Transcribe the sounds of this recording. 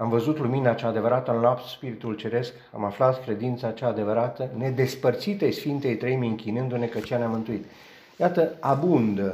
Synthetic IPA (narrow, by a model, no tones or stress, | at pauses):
amvəzut̪luminat͡ʃaːd̪e̞vəɾat̪ənlapt̪spiɾit̪ult͡ʃe̞ɾe̞sk | a̰maflat̪kɾe̞d̪int̪sat͡ʃaːd̪e̞vəɾat̪əne̞d̪e̞spərt̪sit̪ejsfint̪e̞jt̪ɾejmiɨŋkʲinɨnd̪une̞kət͡ʃeaneamɨnt̪uit̪ | jat̪əabund̪ə